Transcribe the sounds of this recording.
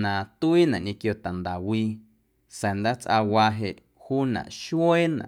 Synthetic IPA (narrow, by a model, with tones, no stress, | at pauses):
nã˨t̪u˦i˦nã˨ʔɲẽ˧kjo˧t̪a˨nd̪a˨wiː˧ | sẽ˨nd̪a˦t͡sʔa˧wa˧ɦe˧˨ʔ | huː˦nã̰˨ʔʃwe˦nã̰˨ʔ